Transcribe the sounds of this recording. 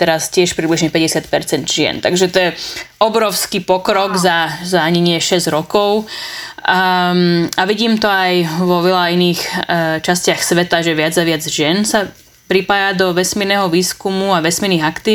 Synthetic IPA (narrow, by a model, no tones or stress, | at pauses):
t̪ɛɾascɪɛʃpɾibliʒɲɛpɛɟɛsɪat̪̚pɛɾt͡sɛnd̪ʒɪɛ̰nt̪aɡʒɛt̪ɔjɛɔbɾɔʊskiːpɔkɾɔɡzazaɲɛɲɪɛʃɛzɟɾɔkɔʊ | aʋiɟiːmt̪ɔajʋɔʋɛlainiːxt͡ʃascɪaxsʋɛt̪aʒɛʋɪad͡zaʋɪad͡zʒɪɛnsa | pɾipaːjad̪ɔʋɛsmiːɾnɛːɦɔʋiːskumuaʋɛsmiɾniɣakt̪iː